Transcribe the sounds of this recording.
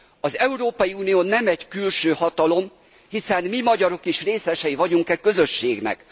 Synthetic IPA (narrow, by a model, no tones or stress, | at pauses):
ɒzɛuɾoːpɒjiuːnijoːnɛmɛɟkylʃøːhɒt̪ɒlo̞m | hisɛnmimɒɟɒɾo̞kiʃreːsɛʃɛjivɒɟuŋkɛkø̞zøʃːeːɡnɛ̰k